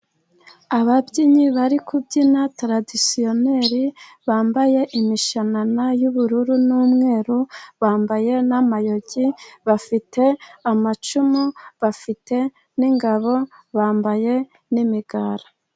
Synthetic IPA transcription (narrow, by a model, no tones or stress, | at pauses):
aβabɟiɲiβaɾikubɟinatɾadisio̞ne̞ɾi | βaːmbaje̞ʔimiʃananajuβuɾuɾunuːmŋe̞ːɾuβaːmbaje̞namajo̞ɟiβafite̞amat͡ʃumuβafite̞ | niŋɡaβo̞ | βaːmbaje̞ | nimiɡaːɾa